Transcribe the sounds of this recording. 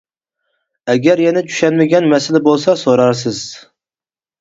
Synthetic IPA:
ɛɡʲæɾjɛnɛt͡ʃʰy̥ʃɛnmɪɡʲɛnmɛsɪlɪbolˠsɑsoɾɑɾsɪz̥

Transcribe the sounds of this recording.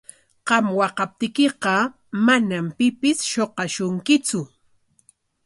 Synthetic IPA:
qɑmwɑqɑp̚t̪ɪkɪqɑ | manampɪpɪsʃoqɑʃʊŋkɪt͡sʊ

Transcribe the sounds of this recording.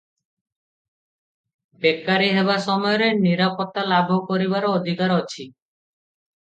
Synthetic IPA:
bekːaɾiɦeβasɔmɔjɔɾeniɾapɔt̪ːalabʱɔkɔɾibaɾɔːd̪ʱikaɾɔt͡ʃʰi

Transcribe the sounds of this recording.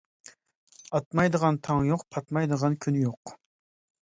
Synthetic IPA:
ɑt̪mɑjd̪əʁɑnt̪ʰɑŋjoqpʰɑt̪mɑjd̪əʁɑnkʲʰynjoq

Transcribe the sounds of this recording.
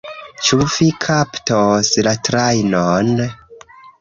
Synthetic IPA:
t͡ʃuvikʰaptoslatɾajnon

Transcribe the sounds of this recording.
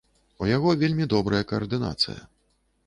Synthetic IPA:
ujaɣɔvʲelʲmʲid̪ɔbɾɐjɐkɐːrd̪ɨna̰t̪sɨ̰jɐ̰

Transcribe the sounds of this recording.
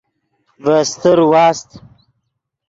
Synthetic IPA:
vəst̪əɾwɑːst̪

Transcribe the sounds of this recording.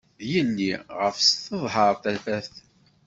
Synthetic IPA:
ðjənːiʁəfsθəðˤɦəɾˤθæfæθ

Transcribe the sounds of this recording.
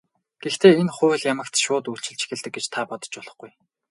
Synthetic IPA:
ɡ̥ext̪ʰeːenχʊːɘ̆ɮjamə̆kt̪ʃʊːt̪ujɬt͡ɕɪ̆ɮt͡ɕʰi̥xʲĕɮt̪ɘ̆k̚ɡet͡ɕt̪ʰapɔt̪ɞ̥̆t͡ɕɔɮɞ̆χɡuj

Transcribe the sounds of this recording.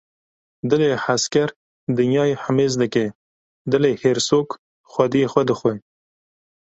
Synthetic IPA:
d̪ɨleːħaskɛɾ | d̪ɨnjɑːjeħəmeːzd̪ɨke | d̪ɨleːheːɾsoːk | xʷɐd̪ijexwɛd̪əxʷe

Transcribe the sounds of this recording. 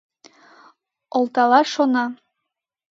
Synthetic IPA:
ŏlˠt̪ɑlˠɑʃonɑ

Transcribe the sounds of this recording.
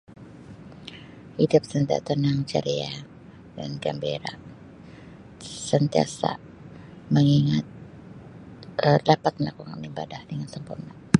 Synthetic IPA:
idʊp̚sənt̪a̰t̪ənaŋt͡ʃa̰ɾia | da̰nɡa̰mbeɾa | sənt̪ia̰sa̰ʔ | məŋiŋat̪̚ | əlapat̪̚mənakuŋaniba̰dahdəŋansəmpurna

